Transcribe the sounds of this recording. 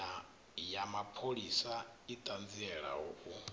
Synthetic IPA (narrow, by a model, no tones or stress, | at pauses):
a | jamapʰoɺisait̪ʼand͡ziɛɺa̰ɦɔ̰ʔu